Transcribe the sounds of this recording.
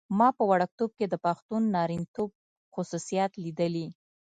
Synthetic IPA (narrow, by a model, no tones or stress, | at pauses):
mɑpəwaɽak̚t̪ob̚ked̪əpaxt̪unːɑɾint̪ob̚ | xʊsusijɑt̪lid̪əli